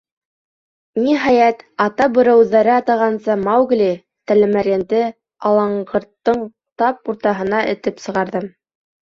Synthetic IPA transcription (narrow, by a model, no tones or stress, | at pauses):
niɦɑjæt̪ɑt̪ɑbɤ̆ɾæ̆wðæɾɘɑt̪ɑʁɑnsɤmɑwɡlʲi | t̪ælɘ̆mæɾjænd̪ɘ | ɑlˠɑɴɢɤ̆ɾt̪ːɤɴ | t̪ɑp̚uɾt̪ɑɦɤ̆nɑʔɘ̆t̪ɘpsɤ̆ʁɑɾðɤm